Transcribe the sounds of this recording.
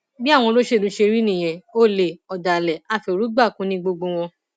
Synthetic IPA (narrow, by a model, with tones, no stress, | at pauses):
bi˦a˦˨w̃ɔ̃˧lo˦ʃe˦˨lũ˨˦ʃe˧ɾi˦nĩ˦˨j̃ɛ̃˨o˦˨le˨ɔ˨da˨lɛ˨a˦˨fi˧˨ɾu˨˦ɡ͡ba˦˨kũ˨˦nĩ˧ɡ͡bo˧ɡ͡bo˧w̃ɔ̃˧